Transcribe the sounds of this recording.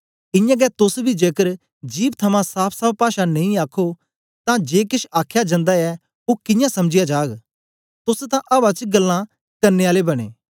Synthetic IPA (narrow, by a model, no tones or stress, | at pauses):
ɪ̃jãːɡɛt̪ʊsbʱid͡ʒeːkəɾ | d͡ʒiːb̚t̪ʰɐmãsaːpʰsɐb̚paːʃanẽĩaːkʰo | t̪ãd͡ʒeːkɪʃaːkʰjad͡ʒə̃ːnd̪aɛ | oːkɪ̃jãsɐmd͡ʒɪjad͡ʒaːɡ | t̪ʊst̪ãʔɐbat͡ʃɡɐlːã | kɐɾneaːlebɐɽ̃ḛː